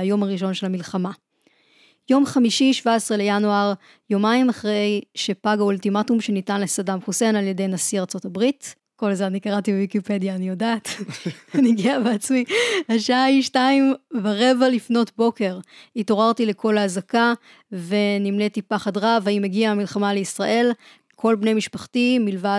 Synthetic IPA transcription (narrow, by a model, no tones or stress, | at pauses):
ajo̞maʁiʃ̬o̞nʃe̞lhamilχama | jo̞mχamiʃiʃvaesʁelejanuaʁ | jo̞maimaχʁejʃepaɡaultimatumʃe̞nitanle̞sadamχuse̞nalje̞de̞jnasiʁt͡so̞tabʁit | ko̞lzeanikaʁatibevikipe̞djaːnijo̞daːt | niɡiaveat͡smihaʃaiʃtaimvaʁe̞valifno̞tbo̞ke̞ʁito̞ʁaʁtile̞kʰo̞laːzaka | ve̞nimletipaχadʁavaimeɡiaːmilχamaleisʁaʔe̞l | kʰo̞lbne̞jmiʃpaχtimilva